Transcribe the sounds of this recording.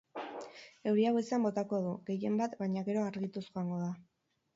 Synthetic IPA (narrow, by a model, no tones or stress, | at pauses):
e̞wɾiawe̞seambo̞t̪ako̞ðuɣe̞je̞mbat̪bajɲaɣe̞ɾo̞aɾɣit̪usuaŋɡo̞ða